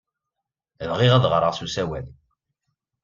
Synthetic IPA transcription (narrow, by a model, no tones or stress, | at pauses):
lʁiʁæðʁɾˤəʁsusæwæ̰ð